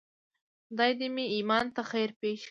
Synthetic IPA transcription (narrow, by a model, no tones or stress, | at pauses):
d̪ɑjd̪emiimɑnt̪axajɾpeʃ